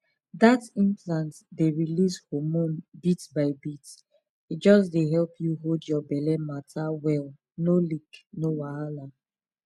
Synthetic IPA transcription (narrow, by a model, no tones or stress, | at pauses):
datĩmplãntdeɹilishomũnbitbaɪbit | it̚d͡ʒɔsdeɦɛlpʰjuɦoldjɔbɛlɛmatʰawɛl | noliknowaala